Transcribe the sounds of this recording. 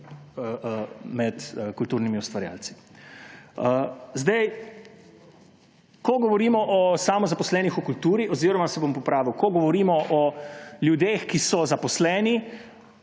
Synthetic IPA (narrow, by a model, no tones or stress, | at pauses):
mɛt̪əkult̪uːɾnimiust̪ʋaɾja̰ːlsi̥ | əzd̪ɛj | kɔɡɔʋɔɾiːmɔʔɔsaːmɔzapɔslɛːnixɔkult̪uːɾiʔɔziːɾɔmasɛbompɔpɾaːʋiwkɔɡɔʋɔɾiːmɔʔɔljud̪eːxkisɔzapɔslɛːni